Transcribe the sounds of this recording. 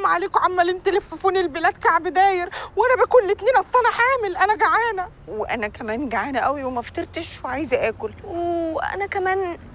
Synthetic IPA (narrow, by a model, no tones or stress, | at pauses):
mʕaleːkʕamːælent̪elefofuːnelbelæːd̪kaʕbed̪æːjeɾwʔænæbækuːllet̪neːnʔæsˤːɑnæħaːmelʔænæɡaʕaːnæ | weʔæ̰nækæmæːnɡaʕaːnæʔæwiwemæft̪ɑɾˤt̪eʃweʕajzæʔæːkolweʔæ̰nækæmæːn